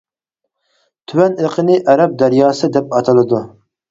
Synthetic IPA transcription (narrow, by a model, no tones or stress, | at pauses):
t̪ʰywɛneqʰənɨʔɛɾɛp̚d̪æɾjɑːsɨd̪ɛpɑt̪ʰɑlˠɨd̪u